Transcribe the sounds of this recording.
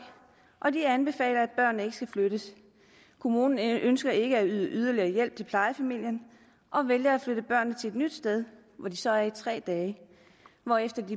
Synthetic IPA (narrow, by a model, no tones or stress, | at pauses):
ʔɒ̽d̥iænb̥e̝fɛ̰ːlɐæd̥̚b̥ɶɐ̰nːəe̝ɡ̥əsɡ̥æfløɾ̥əs | kʰo̝muːnn̩ønsɡ̥ɐe̝ɡ̥əæyð̞ˠəʔyð̞ˠɐliɐːjel̰b̥̚t͡sʰe̝lpʰlɑ̈ɪəfæmil̰jən | ʔɒ̽ʋeljɐæfløɾəb̥ɶɐ̰nːət͡sʰe̝e̝d̥nyd̥sd̥eð̞ˠ | ʋɒd̥isɒ̽æɐit͡sʰʁɛ̰ːd̥ɛː | ʋɒefd̥ɐd̥i